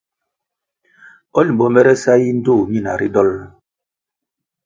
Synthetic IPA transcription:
ɔ˦li˨bɔ˨mɛ˦ɾɛ˦sa˦ji˦n̩˦do˦˨mi˦˨na̰˨ɾi˦dɔ˦l

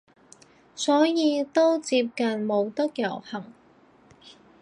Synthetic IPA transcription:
sɔː˨˥jiː˨˧t̪o˥wt͡siː˧p̚kɐ˨nmo˨˧wt̪ɐ˥k̚jɐ˨˩whɐ˨˩ŋ

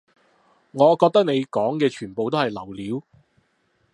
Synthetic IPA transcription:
ŋɔː˨˧kɔː˧k̚t̪ɐ˥k̚ne˨˧jkɔː˨˥ŋkɛː˧t͡ʃʰyː˨˩npo˨wt̪o˥whɐ˨jlɐ˨˩wliː˨˥w

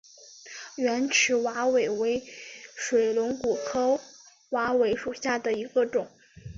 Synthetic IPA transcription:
ɥɛ˧˥nʈ͡ʂʰɻ̩˧˥wa˧˥we˨˩ɪwe˧˥ɪʂwe˨˩ɪlʊ˧˥ŋku˨˩kʰɤ˥ʊ | wa˧˥we˧˥ɪʂu˨˩ɕja˥˩d̪ə˩i˧˥ɡə˧ʈ͡ʂʊ˨˩˦

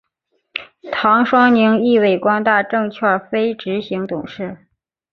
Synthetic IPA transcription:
t̪ʰɑ˧˥ŋʂwɑ˥ŋni˧˥ŋi˥˧we˥˩ɪkwɑ˥ŋt̪a˥˧ʈ͡ʂɤ˥˧ŋt͡ɕʰwɛ˥˩fe˥ɪʈ͡ʂɻ̩˧˥ɕi˧˥ŋt̪ʊ̰˨˩ŋʂɻ̩˥˩

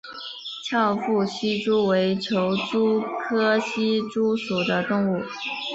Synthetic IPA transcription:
t͡ɕʰjɑ˥˧ʊfu˥˩ɕi˥ʈ͡ʂu˥we˧˥ɪt͡ɕʰjo˧˥ʊʈ͡ʂu˥kʰɤ˥ɕi˥ʈ͡ʂu˥su˨˩d̪ə˦t̪ʊ˥˧ŋu˥˩

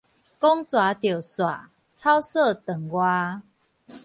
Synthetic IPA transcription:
kɔ˦ŋt͡swa˨˩˦t̪jo˨˩swa̰˨˩ | t͡sʰa˦wsə˥˨t̪ə˨˩ŋɡwa˦˧

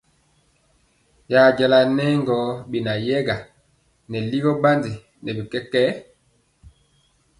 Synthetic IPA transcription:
ja˨d͡ʒa˨la˨nɛ˦ŋɡɔ˨˦bi˨na˨jɛ˦ɡa˨ | nɛ˨li˦ɡɔ˦ba˦ndi˨ | nɛ˨bi˨kɛ˦kɛ˦

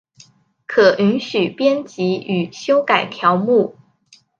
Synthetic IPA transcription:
kʰɤ˨˩ʔy˧˥nɕy˨˩pjɛ˥nt͡ɕi˧˥y˨˩ɕjo˥ʊka˨˩ɪt̪ʰjɑ˧˥ʊmu˥˩

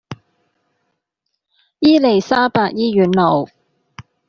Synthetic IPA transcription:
jiː˥le˨˩jsaː˥paː˧k̚jiː˥jyː˨˥nlo˨˩w

